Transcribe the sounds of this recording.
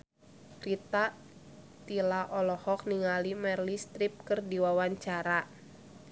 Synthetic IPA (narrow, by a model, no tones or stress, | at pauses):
kɾit̪a | t̪ilaʔɔlɔhɔk̚niŋalimɛrlist̪ɾip̚kɨrdiwawaɲt͡ʃaɾa